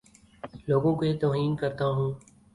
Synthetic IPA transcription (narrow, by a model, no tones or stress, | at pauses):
loːɡõːkoeːt̪oːɦiːnkəɾt̪aːɦũː